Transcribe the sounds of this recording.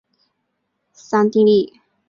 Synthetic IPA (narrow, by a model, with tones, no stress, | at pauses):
sã˧nt̪ĩ˧li˥˨